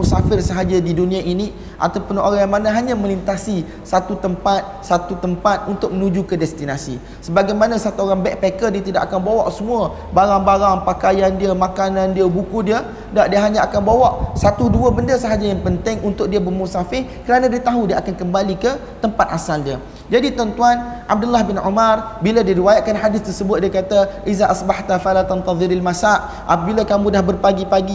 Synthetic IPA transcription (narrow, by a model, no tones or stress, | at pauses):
usafɪrsəɦad͡ʒadidunĩaʔini | ʔa̰t̪awpʊnoɾajaŋmanãɦaɲãmə̃lint̪asi | sat̪ut̪əmpat̪̚sat̪ut̪əmpat̪̚unt̪ʊk̚mənũd͡ʒukədɛst̪inasḭ | səbaɡajmanãsat̪uoɾaŋbɛʔ̚pɛkədiət̪ida̰ʔakanbawa̰ʔsəmũa | baɾaŋbaɾaŋpakajandiəmãkanãndiəbukudiə | daʔdiəɦaɲãʔakanbawaʔsat̪uduəbəndəsəɦad͡ʒajaŋpənt̪ɪŋunt̪ʊʔ̚diəbərmusafɪhkəɾanãdiət̪aɦudiəʔakankəmbalikə | t̪əmpat̪̚ʔasaldiə | d͡ʒadit̪ant̪uanʔa̰b̚dʊlːahbɪnṵmarbiladiɾiwajaʔ̚kanħadɪst̪ərsəbʊt̪̚diəkat̪aʔizaʔasbaħt̪afalat̪ant̪ɑðɪlalmasaʔ | ʔa̰pəbilakamũdahbərpaɡipaɡi